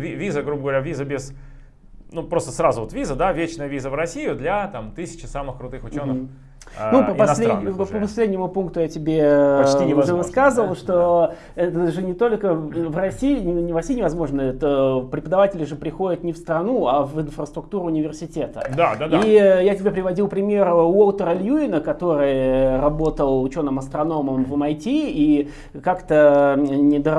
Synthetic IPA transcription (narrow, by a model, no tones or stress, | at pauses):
vʲivʲizəɡɾubəɡəvɐɾʲavʲizəbʲɪz | nupɾo̞st̪əsɾazʊvot̪vʲizəd̪avʲet͡ɕnəjəvʲizəvrɐsʲijʊd̪lʲɐt̪amt̪ɨsʲɪ̥t͡ɕɪsamɨxkɾʊt̪ɨxʊt͡ɕonə | upəpɐnslʲedʲpəpɐsʲlʲedʲnʲɪmʊpunk̚t̪ʊjatʲɪbʲe̞inʲɪvɨskazəvəlˠʂt̪o | ɛt̪əʐɨnʲɪt̪o̞lʲkəvrɐsʲijɪnʲɪnʲɪvrɐsʲijːnʲɪvɐzmo̞ʐnəɛt̪əpɾʲɪpəd̪ɐvatʲɪlʲɪʐɨpɾʲɪxo̞dʲɪt̪nʲɪfst̪ɾɐnuavɪnfrəst̪ɾʊk̚t̪uɾʊːnʲɪvʲɪrsʲɪtʲet̪ə̰d̪ad̪aijatʲɪbʲepɾʲɪvɐdʲilˠpɾʲɪmʲe̞ɾolˠt̪əɾəlʲjuɪnəkɐt̪o̞ɾɨjɾɐbo̞t̪əlˠʊt͡ɕo̞nːəmɐst̪ɾɐno̞məmvəmɐjtʲii | kakt̪ənʲɪd̪ə